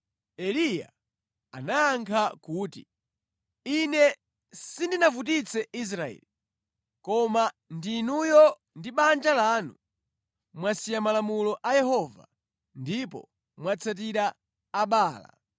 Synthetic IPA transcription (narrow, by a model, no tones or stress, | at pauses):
ɛlija̰ | anaaŋkʰakuːtḭ | inɛ | sindinavut̬it͡sʰɛis̬ɾaɛ̰ːli | kɔma | ndinujɔ | ndiɓand͡ʒalaːnu | mwasijamalamulɔʔajɛɦɔva̰ | ndipɔ̰ | mwat͡sʰat̬iɾaː | ɓaːla̰